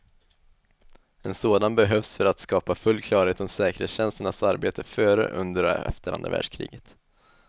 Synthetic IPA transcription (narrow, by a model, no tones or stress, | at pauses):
ɛnsoːd̪anbɛɦœvsfœɾat̪skɑːpafɵlːkʰlɑːɾheːt̪ɔmsɛːkəɾhḛːsɕɛnst̪əɳasaɾbeːt̪ʰəfœːɾə̰ʔɵ̰nd̪əɾɛ̰ft̪əɾa̰nɾa̰væ̰ːɖʂkʰɾḭːɡət̪